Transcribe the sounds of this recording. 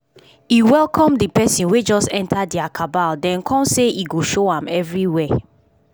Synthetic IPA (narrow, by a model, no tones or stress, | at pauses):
iwɛlˠkʰɔ̃mdipɛsĩnwed͡ʒɔstɛ̃ntʰadiakʰabaldɛ̃nkʰɔ̃mseʔiɡoʃoãmɛvɹiwɛ